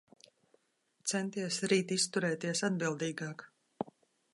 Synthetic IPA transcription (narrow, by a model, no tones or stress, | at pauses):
t̪sɛnt̪iɛsɾiːt̪ist̪uɾɛːt̪iɛsad̪bilˠd̪iːɡɑːk